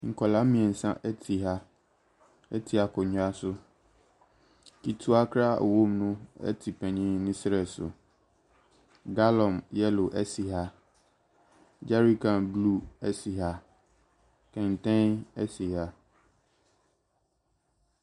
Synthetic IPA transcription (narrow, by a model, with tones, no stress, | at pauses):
ŋ̩˨kʰɔ˨lã˦mĩ˨ɛ˨n̩˨sã˦ʔɛ˦tʰi˨ɦa˦ | ɛ˦tʰi˨a˨kʰɔ˨ɲʊ̃˨a˦sʊ˦ | kʰi˨tʰu˦a˦kʰɾa̰˦˨wõ˦mnʊ̃˦ɛ̰˦tʰi˨pʰɛ̃˨ɲĩ˦nɪ̃˦sɾɛ˨sʊ̰˨ | ɡa˦lɔ̃˨mjɛ˦lʊ˨ʔɛ˦si˨ɦa˦ | d͡ʑa˦ɾi˦kʰã˨nblu˦ɛ˦si˨ɦa˦ | kʰɛ̃˨n˨tʰɛ̃˦nɛ˦si˨ɦa˦